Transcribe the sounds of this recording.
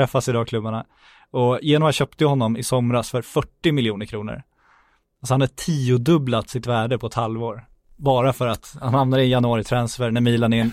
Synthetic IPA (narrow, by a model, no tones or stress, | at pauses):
ɾɛfːasɪd̪ɑːkʰlɵbːaɳa | ɔjeːnɔmvajaɕœːp̚t̪əjahɔnːɔmɪsɔmɾasfœɾfœʈːɪmɪljuːnəɾkʰɾuːnə̰ɾ | als̬ɔhanhaʈʰiːʊd̪ɵblat̪sɪt̪væːɖəpʰɔɛt̪halvoːɾ | bɑːɾafœɾat̪hanhamnad̪əɪjanʊɑːɾɪt̪ʰɾansfɛɾɳæmiːlanɪn